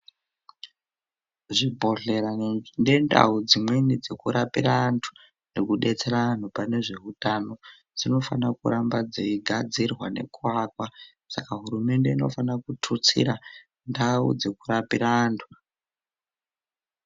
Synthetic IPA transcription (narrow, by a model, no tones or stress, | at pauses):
ʐibʱo̞ɮe̞ɾande̞nda̰ud͡zimwenid͡ze̞kuɾapirantʰu̥ | nekuɗe̞t͡se̞ɾaan̤upane̞ʐe̞ɦutano̞ | d͡zino̞fanakuɾambad͡zeiɡʱad͡zirwane̞̰kuakwa | sakaɦuɾume̞nde̞ino̞̰fanakutʰut͡sḭɾa | ndaṵd͡ze̞kuɾapiɾaːntʰu̥